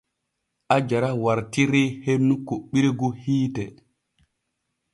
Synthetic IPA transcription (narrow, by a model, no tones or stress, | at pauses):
ʔad͡ʒaɾawaɾtiɾehennːukoɓːiɾeɡuhiːtɛ